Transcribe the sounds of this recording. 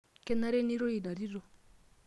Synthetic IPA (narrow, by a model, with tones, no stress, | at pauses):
kɛ˦na˦ɾe˦ni˦ɾo˦i˨na˨ɾi˦ɾo˨